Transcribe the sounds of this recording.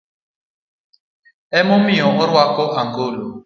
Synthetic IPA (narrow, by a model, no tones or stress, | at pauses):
ɛmɔmiɔɔɾwakɔʔaŋɡolo